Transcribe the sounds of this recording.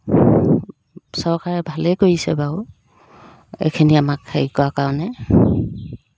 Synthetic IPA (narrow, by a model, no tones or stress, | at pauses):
sɔɹkaɹɛbʱalɛkoɹisɛbau | ḛkʰiniamakʰːaikɔakaɹɔnɛ